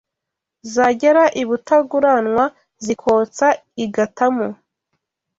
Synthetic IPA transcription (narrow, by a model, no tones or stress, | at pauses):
zaɟeɾaʔiβutaɡuɾanŋwa | zikʰo̞ːt͡saiɡatamo